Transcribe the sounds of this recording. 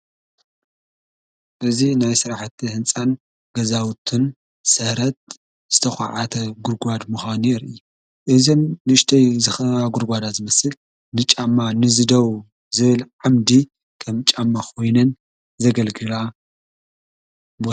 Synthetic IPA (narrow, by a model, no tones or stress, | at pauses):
ʔɨzinajsɨɾaħt̪ʰːihɨnt͡sʼan | ɡ̥ɐzawt̪ʰɨn | sɐɾɐt̪̚ | z̥ɨt̪ʰɐxʷa̰ʕa̰t̪ʰɐɡuɾɡʷad̪muxanjɛɾɨjːu | ʔɨzomnɨʃt̪ʰɐjzɨxɐβaɡuɾɡʷad̪azɨmɐsɨl | nɨt͡ʃʼamːanɨzɨd̪ɐw | zɨβɨlʕamd̪i | kʰɐmt͡ʃʼamːakʰo̞jnɐn | zɐɡɐlɡɨla | bot̪